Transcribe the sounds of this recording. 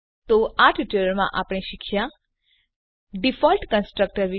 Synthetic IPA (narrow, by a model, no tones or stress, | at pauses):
t̪oaʈʰiʈelɾmã̰ʔapɽ̃eʃɪkʰja | ɖifɔlʈkə̃nsʈɾək̚ʈəɾʋɪ